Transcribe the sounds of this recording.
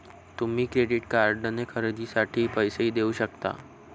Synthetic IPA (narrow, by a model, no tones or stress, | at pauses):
t̪umɦikɾeɖɪʈkaːɾɖənekʰəɾəd̪isaʈʰipəjseɦid̪euʃək̚t̪a̰ː